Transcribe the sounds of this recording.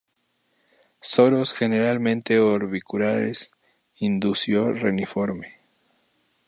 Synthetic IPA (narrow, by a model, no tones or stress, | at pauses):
soɾosxe̞ne̞ɾalmẽ̞nt̪e̞oɾβikuɾaɾḛs | ind̪usjorenifo̞ɾme